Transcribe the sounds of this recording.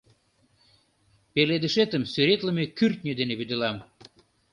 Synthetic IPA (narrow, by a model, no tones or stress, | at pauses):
peled̪əʃet̪əmsyɾet̪ləmekyrt̪̚nʲød̪eneβyd̪elɑm